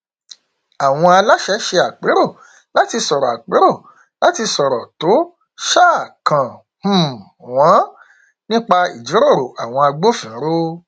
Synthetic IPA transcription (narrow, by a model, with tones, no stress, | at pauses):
a˨w̃ɔ̃˧a˧la˦ʃɛ˨˦ʃe˧a˨k͡pe˨˦ɾo˦˨ | la˨˦ti˧sɔ˨ɾɔ˨a̰˨k͡pe˨˦ɾo˦˨ | la˨˦ti˧sɔ˨ɾɔ˨to˨˦ | ʃaː˦˨kã˨˦˨ | w̃ã˨˦ | nĩ˦k͡pa˧ḭ˨d͡ʒi˨˦ɾo˦˨ɾo˨ʔa˨w̃ɔ̃˧a˧ɡ͡bo˦fĩ˨˦ɾo˦